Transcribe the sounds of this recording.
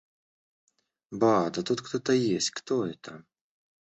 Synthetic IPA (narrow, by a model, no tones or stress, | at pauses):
bad̪ɐt̪ut̪kt̪ɔt̪ɐjesʲtʲkt̪oɛt̪ʰɐ